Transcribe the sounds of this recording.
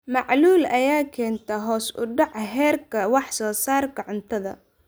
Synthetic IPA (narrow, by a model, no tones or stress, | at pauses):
mɑʕluːlɐjaːkʰɛːnt̪ʰɐɦɔːsʊ̰ɖɑʕɦɛːrkʰɐwɑħsɔːsaːrkʰɐʕʊnt̪ʰɐðɐ̰